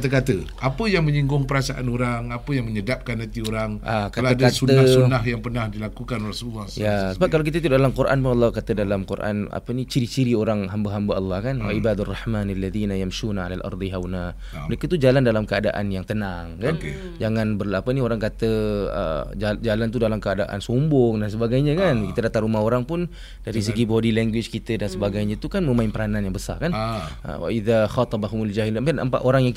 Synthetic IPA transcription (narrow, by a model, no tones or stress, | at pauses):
kat̪əkat̪ə | apəjaŋmə̃ɲiŋɡʊŋpəɾasaʔanoɾaŋapəjaŋməɲədap̚kanːãt̪ioɾaŋʔakaalaadkat̪uəasunaɦjaŋpərnahdilakukanrasulːajasəbap̚kːalak̬it̪ət̪̬uddalamkuɾʔa̰npulːɑkat̪ədalamkṵrʔa̰na̰pənit͡ʃiɾit͡ʃiɾioɾaŋɦambaɦambaɑlːɑhkanwa̰ʔibad̪arːɑħmanalːaðiːnajamʃunaa̰lalʔɑ̰ɾd̪iɦawna | mɾekət̪ud͡ʒalandalamkəada̰ʔa̰njaŋt̪ənaŋkan | d͡ʒaŋãnbərlapənioɾaŋkat̪əə̰d͡ʒalant̪̬udalamkəadaʔa̰nsumbʊŋdans̬əbaɡajɲakankit̪ədat̪aŋɾumahɦoɾaŋpʊn | d̥aɾisəɡibodilɛŋɡwɪt͡ʃkit̪ədansəbaɡajɲat̪ukanmə̃maɪnpəɾananjaŋbəsa̰rkanʔə̰wa̰ʔiðaxɑt̪ˤɑbaɦʊmald͡ʒaɦilamkanə̰mpaʔ̪oɾaŋjaŋ